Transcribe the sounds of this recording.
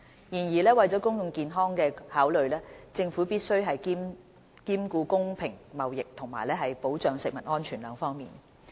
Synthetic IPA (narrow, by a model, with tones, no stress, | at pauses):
jiː˨˩njiː˨˩lɛː˥wɐ˨jt͡sɔː˨˥kʊ˥ŋjʊ˨˧ŋkiː˨˧nɦɔː˥ŋkɛː˧haː˨˥wlɵ˨ɥlɛː˥t͡sɪ˧ŋfuː˨˥piː˥t̚sɵ˥ɥɦɐ˨jki˥m | kiː˥mkuː˧kʊ˥ŋpʰɪ˨˩ŋmɐ˨wjɪ˨k̚t̪ʰʊ˨˩ŋma̰ː˨˩jlɛː˥ɦɐ˨jpo˨˥wt͡ʃœː˨˧ŋsɪ˨k̚mɐ˨˩t̚ŋɔː˥nt͡ʃʰyː˨˩nlœː˨˧ŋfɔː˥ŋmiː˨n